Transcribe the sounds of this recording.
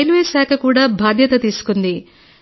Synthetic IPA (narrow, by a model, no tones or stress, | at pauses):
eluʋeːsaːkʰɐkuːɽaːbʱaːd̪ʱjɐt̪ɐt̪iːsu̥kund̪i